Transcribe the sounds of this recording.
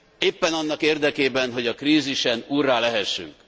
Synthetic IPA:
eːpːɛnɒnːɒkeːrd̪ɛkeːbɛnɦo̞ɟɒkriːziʃɛnuːrːaːlɛɦɛʃːy̰ŋk

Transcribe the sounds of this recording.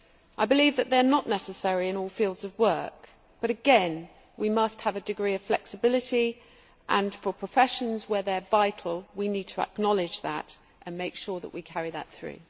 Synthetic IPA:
ʔaɪbɪliːvðəʔ̪̚ðənəʔnɛsəsɛɹiɪ̃nɔːlˠfilˠdz̥əvwɜˑk̚ | b̥ʌɾɨɡɛ̃n | wimʌst̚həvədɨɡɹiːəv̥flɛksəbɪlɪti | ʔə̃nfəpʰɹ̥əfɛʃə̃nzwəðəvaɪtʰˡl̩ˠwinid̚tʰəə̰k̚nɑlɪd͡ʒðə̰t | ʔə̃nmeɪkʃɔːðə̰ʔwikʰæɹiðə̰t̪θɹʉ̰

